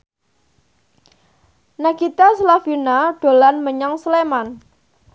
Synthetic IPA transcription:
nakit̪asəlafinaɖ̥o̤lanməɲaŋsəleman

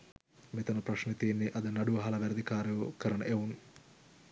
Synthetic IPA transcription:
met̪ɐnɐprɐʂnet̪iːnːeʔɐd̪ənɐɖuʋɐɦɐlɐʋæɾɐd̪ikaːɾɐʋəkəɾɐɳəʔeun

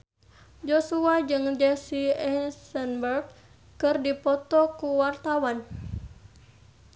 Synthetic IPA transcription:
d͡ʒɔsuad͡ʒɨŋd͡ʒɛsiɛsənbɛrɡ | kɨrdipɔt̪ɔkuwart̪awan

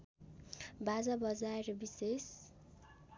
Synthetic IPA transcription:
bad͡zabʌd͡zaeɾʌbises

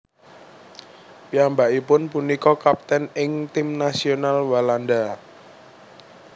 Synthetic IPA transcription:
piambaʔipʊnpunikɔkap̚t̪ɛnɪŋt̪imnasionalwaland̪a

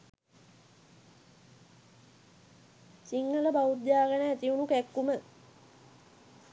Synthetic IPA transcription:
siŋɡələbaut̪jaːɡənəæt̪iunukækːumə

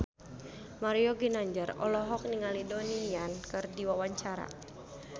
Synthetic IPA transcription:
maɾiɔɡinaɲd͡ʒərɔ̰lɔɦɔk̚niŋalidonijankɨrdiwawaɲt͡ʃaɾa̰

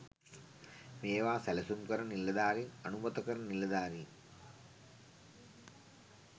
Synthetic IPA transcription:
ʋeːʋaːsɐlɐsumkɐɾɐnilːɐd̪aːɾiɐnumɐt̪ɐkɐɾɐnilːɐd̪aːɾi

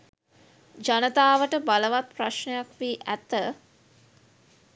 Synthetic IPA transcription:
d͡ʒanət̪aːʋəʈəbaləʋat̪̚praʃɳejakʋiːʔæt̪ə

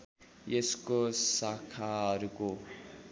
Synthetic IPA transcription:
jeskosakʰaɦʌɾuko

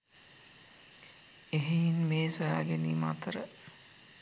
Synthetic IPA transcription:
eɦeinmeːsojaːɡeniːma̰t̪əɾə

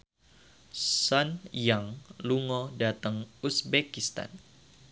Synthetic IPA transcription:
sɔnjaŋluŋɔdat̪əŋusbekist̪a̰n

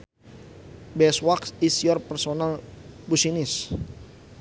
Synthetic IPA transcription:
bɛswaksisiɔrpɛrsonalbusinɪs

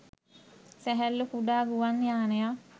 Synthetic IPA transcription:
sæɦælːukuɖaːɡuʋanjaːneja

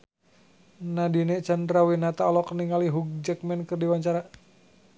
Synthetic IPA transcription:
nadinɛt͡ʃandɾawinat̪aɔlɔkəniŋaliɦuɡ̚d͡ʒək̚mɛnkərdiwaɲt͡ʃaɾa

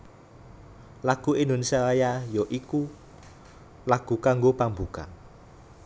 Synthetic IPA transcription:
laɡ̥ṳendunsalajajɔʔiku | laɡ̥ṳkaŋɡopambuka̰ŋ

